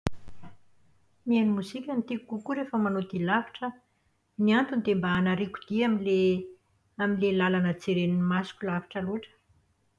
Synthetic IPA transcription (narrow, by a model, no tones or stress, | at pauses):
nienimuzikʲənit̪ikukukuɾefəmanod̪ilavaʈ͡ʂə | niant̪und̪embaanaɾiku̥d̪̥iamile | aminlelalanət͡seɾeninimasu̥kʲulavḁʈ͡ʂəluʈ͡ʂə̥